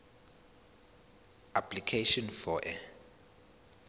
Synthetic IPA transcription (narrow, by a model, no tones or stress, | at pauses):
apʰlikʰeʃɔnfɔʔɛ